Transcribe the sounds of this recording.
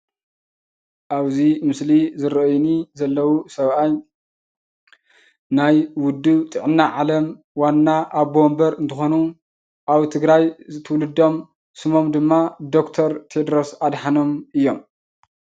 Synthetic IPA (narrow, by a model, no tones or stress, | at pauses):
ʔaβzimɨslizɨɾɐʔnizɐlːɐwusɐβʔaj | najwʊd̪ːut̪ʼɨʕɨnːaʕalɐm | wanːaʔaβbombɐɾɨnt̪ʰɨxo̞nu | ʔaβt̪ʰɨɡɾajzɨt̪ʰɨwlɨd̪ːo̞m | sɨmo̞md̪ɨmːad̪o̞kt̪ʰɐɾt̪ʰed̪ɾo̞sad̪ħano̞mʔɨjːo̞m